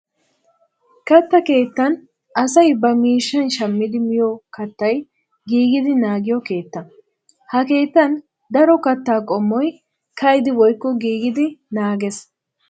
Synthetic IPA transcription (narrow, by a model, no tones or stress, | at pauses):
kɐt̪ːɐke̞ːt̪ːɐn | ʔɐsɐjbɐmiːʃːɐnʃɐmːɪd̪ɪmɪjɔkɐt̪ːɐj | ɡiːɡɪd̪ɪnaːɡɪjɔke̞ːt̪ːɐ | hɐke̞ːt̪ːɐn | d̪ɐɾɔkɐt̪ːaːkʼɔmːɔj | kɐjd̪ɪwɔjkːɔɡiːɡɪd̪ɪnaːɡɛs